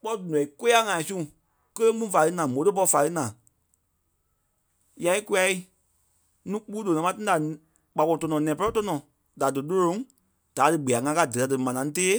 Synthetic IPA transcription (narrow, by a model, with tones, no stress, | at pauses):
k͡pɔ˦du˨n˨ɛ̃˨i˨ko˦a˦ŋã˨ĩ˨˧sũ˦˨ | kə˦le˦mũ˦fa˨˧lɨ˧˦nãː˨mõ˨˦tə˦p̬ɔ˧fa˨lɨ˦nãː˨ | ja˧i˦ku˧˦a˧i˦ | nũː˦k͡pu˦lo˨ɛ̃˨mã˦tɨ̃˦da˨ | k͡pa˨ko˧˨tɔ˧nɔ̃˨nɛ̃ː˨pɛ˦ɔ˦tɔ˧nɔ̃˨ | da˨dɨ˨lo˦lõ˧˦ŋ | d̥a˨˦dɨ˧ɡ͡be˨a˨ŋã˧ka˧˨dɨ˨ta˧dɨ˨mã˨nã˨˦ŋ̃˦teː˦